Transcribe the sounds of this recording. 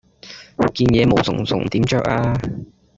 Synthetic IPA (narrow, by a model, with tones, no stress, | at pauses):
kiː˧njɛː˨˧mo˨˧wt͡sʰʊ̰˨˩ŋt͡sʰʊ̰˨˩ŋt̪iː˨˥mt͡ʃœː˧k̚aː˧